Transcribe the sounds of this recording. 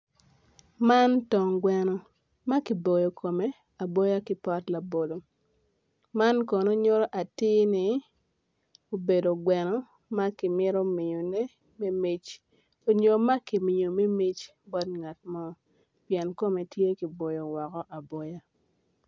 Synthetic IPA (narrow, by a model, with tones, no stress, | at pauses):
ma˦ntɔ˨ŋɡwɛ˨nɔ˨ | ma˦ki˨bo˨jo˨kʰo˨me˦ | a˨bɔ˦ja˦kɪ˦pɔ˦tla˨bo˨lo˨ | ma˦nkɔ˨no˦ɲo˦ɾɔ˦ʔa˨tɪ˦nɪ˦ | o˨be˨do˨ɡwɛ˨nɔ˦ | ma˦kɪ˨mɪ˦ɾo˦mi˨jo˨ne˦ | me˦mi˦t͡ʃ | o˨ɲo˨ma˦ki˨mɪ˨o˨me˦mi˦t͡ʃ | bɔ˦t̚ŋa˨t̚mɔ˦ | pjɛ˨nko˦me˨tje˦ki˨bo˨jo˨wɔ˨kɔ˦ʔa˨bɔ˦ja˦